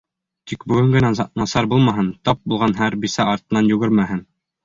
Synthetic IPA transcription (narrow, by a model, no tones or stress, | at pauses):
t̪ikbɵ̆ɡɘ̆ŋɡɘ̆næɑnɑsɑɾbulˠmɑɦɤnt̪ɑp̚bulˠʁɑnɦæɾbisɑɑɾt̪ɤ̆nɑnjɵ̆ɡɘɾmæɦɘn